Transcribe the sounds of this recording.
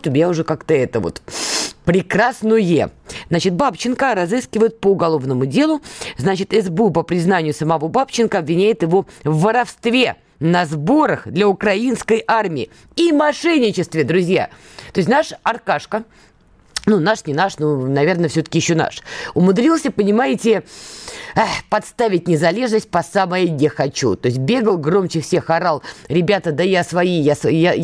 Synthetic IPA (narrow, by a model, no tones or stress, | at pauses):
t̪ʊmʲjaʊʐɛkakt̪əɛt̪əvo̞̰t̪pɾʲɪkɾasnʊjjḛznat͡ɕɪt̪̚bapt͡ɕɪnkəɾɐzɨskʲɪvəjɪt̪̚pəʊɡɐlˠo̞vnəmʊdʲe̞lˠʊznat͡ɕɪt̪ɛzbupəpɾʲɪznanʲɪjʊsəmɐvobapt͡ɕɪnkəɐbvʲɪnʲæjɪt̪jɪvo̞vːəɾɐfst̪vʲe̞ | nɐzbo̞ɾəxd̪lʲəʊkɾɐinskəjʔarmʲɪɪ | imɐʂɛnʲːɪt͡ɕɪst̪vʲɪd̪ɾʊzʲja̰ | t̪osʲtʲnaʂɐrkaʂkə | nunaʂnʲɪnaʂnunɐvʲe̞rnəfsʲɵt̪ə̥kʲɪjɪɕːona̰ʂʊmʊd̪ɾʲilˠsʲəpənʲɪmajɪtʲɪ | pɐt̪st̪avʲɪt̚ʲnʲɪzɐlʲe̞ʐnəsʲt̚ʲpɐsaməjənʲɪxɐt͡ɕṵt̪o̞ɪs̬̚ʲbʲe̞ɡəlˠɡro̞mt͡ɕɪfsʲexɐɾalˠɾʲɪbʲat̪əd̪əjasvɐijasja